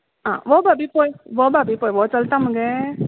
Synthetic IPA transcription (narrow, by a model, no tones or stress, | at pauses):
ã̰ːʋoːbabipoːjʋoːbaːbipoːjʋoːt͡ʃɔlt̪ãːmɯŋɡe